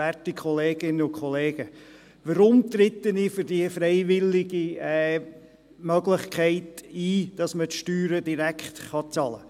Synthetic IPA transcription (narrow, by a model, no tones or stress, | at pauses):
ætikʰχɔleːɡ̥ɪnːəʊkʰχɔleːɡ̥ə | ʋəɾʊmt̪ɾɪtːənifʏɾdiəfɾɛɪvɪlɪɡiɛ | mœɡlɪχkʰɛɪtiːd̥ɑsmətʃtyːɾədiɾækχtχɑt͡sɑlə̰